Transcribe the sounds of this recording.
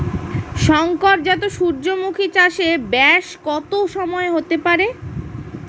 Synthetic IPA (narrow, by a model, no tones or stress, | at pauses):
ʃɔŋkoɾ̚d͡ʑɛt̪oʃuɾd͡ʑomukʰit͡ɕaʃebɛʃkɔt̪oʃɔmɔeɦot̪epaɾe